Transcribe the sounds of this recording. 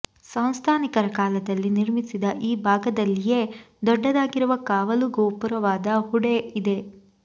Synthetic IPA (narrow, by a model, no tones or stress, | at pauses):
sɐw̃st̪ʰaːnikɐɾɐkaːlɐd̪ɐlːiniɾmisid̪ɐʔiːbʱaːɡɐd̪ɐlːije̞ | d̪ɔɖːɐd̪aːɡiɾuʋɐkaːʋɐluɡoːpuɾɐʋaːd̪ɐhuɽeid̪e̞